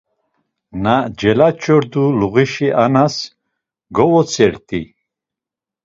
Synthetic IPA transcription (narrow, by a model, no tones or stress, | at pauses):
nad͡ʒɛlat͡ʃʰʼɔɾd̪uluɣiʃiʔanas | ɡɔvɔt͡sʰʼɛɾt̪ʼi